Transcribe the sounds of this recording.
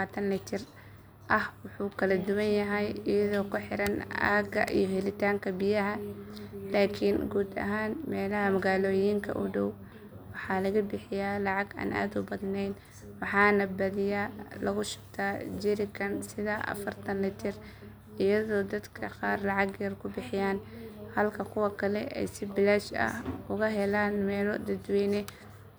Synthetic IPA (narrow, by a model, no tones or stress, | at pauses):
aːt̪ʰɐnlɪt̪ʰɪr | ʔɐhwɑħuːkʰɐlɐd̪ʊwɐnjɐɦɛjɪjɐðɔːkʰʊħɪɾɐnʔa̰ːɡɐ̰ʔḭjɔɦɛlɪt̪ʰaːŋkʰɐbɪjɐɦɐ | laːkʰɪnɡuːd̪ɐ̰ɦaːnmɛːlɐɦɐmɐɣaːlɔːjiːŋkʰɐ̰ʔʊ̰ɖɔw | wɑħɑːlɐɣɐbɪħɪjaːlɑʕɑɡa̰ːnʔa̰ːd̪ʊbɐðnɛjn | wɑħɑːnɐbɐðɪjaːlɐɣʊʃʊ̥b̚t̪ʰaːd͡ʒɪɾɪkʰɐnsɪðaʔɐ̰fɐrt̪ʰɐnlɛt̪ʰɪr | ʔɪjɐðɔːd̪ɐd̪kʰɐqɑːrlɑʕɑɡjɐrkʰʊbɪħɪjaːnhɐlkʰɐkʰʊwɑkʰɐlɛ̰ʔɛ̰jsɪbɪlaʃɐ̰hʊɣɐɦɛlaːnmɛːlɔd̪ɐd̪wɛːnɛ